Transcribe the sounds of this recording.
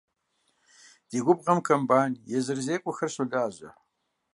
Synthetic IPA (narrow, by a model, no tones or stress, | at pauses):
d̥iːɡʷʊb̚ʁɐmkʰɐmbaːnjɛzɨrzeːkʷʼʊxɐrɕoɮaːʑɐ